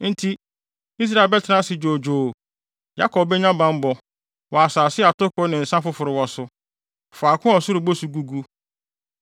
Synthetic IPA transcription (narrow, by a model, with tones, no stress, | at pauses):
n̩˦tʰi˦ | i˦s̬ɾa˦e˨bɛ˦tʰɪ˨nã˦sɪ˨d͡ʒoː˨d͡ʒoː˨ | ja˦kʰɔ˨bbɛ˦ɲã˦bã˦m̩˦bɔ˨ | wɔ˨a˨saː˨sɪ˦a˨tʊ˦kʊ˦nɪ̃˨n̩˨sã˦fʊ˦fʊ˨ɾɪ˨wɔ˨sʊ˦ | fa˨kʰʊ̃˦ɔ˨sʊ˦ɾʊ˨bo˦su˨ɡu˦ɡu˦